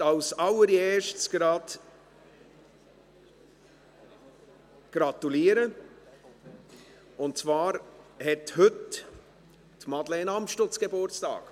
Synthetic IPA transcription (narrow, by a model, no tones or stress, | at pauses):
aʊsɑlːəɾeːʃtsɡ̥ɾɑːd | ɡ̥ɾɑt̪uliːɾə | ʊntt͡svaːɾhɛthʏt | tmɑdlɛːnɑmʃtot͡sɡ̥ebʊɾt͡stɑ̰ːk